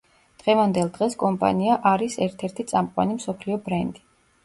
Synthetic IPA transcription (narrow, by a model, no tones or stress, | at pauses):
d̪̥ʁɛvand̪ɛlˠd̪ʁɛskʼɔmpʼa̰niaʔaɾisɛɾt̪ʰɛɾt̪ʰit̪sʼamqʼwa̰nimsɔpʰliɔbɾɛnd̪i